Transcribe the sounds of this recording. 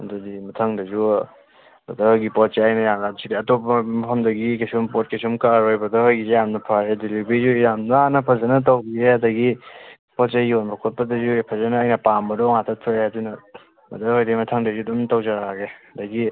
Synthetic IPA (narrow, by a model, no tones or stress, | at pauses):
dudimɐtʰɐŋdɐzu | dodɐhojɡipɔt̚t͡ʃeajnɐjaŋɡadsidiɐtopɐmɐpʰɐmdɐɡikesumpot̚kesumkaɾojbɐdɐhojɡizjamnɐpʰaedilibizujamnɐanɐpʰɐzɐnɐt̬awbieɐdɐɡi | pɔtt͡ʃaionbɐkʰot̚pɐdɐzupʰɐzɐnɐːjnɐpambɐdɔŋatʰatʰojeadunɐ | mɐ̰dɐhojdemɐtʰɐŋdɐzudumtawzaɾaɡeɐdɐɡi